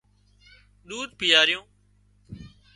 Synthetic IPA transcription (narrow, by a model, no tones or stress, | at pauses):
ɗ̪uːd̪̚pɪjaːɾɪjõː